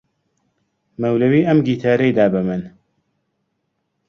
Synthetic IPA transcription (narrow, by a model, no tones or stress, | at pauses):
mɐwlɐwiːʔɐmɡiːt̪ʰaːɾejd̪aːbɨmɨn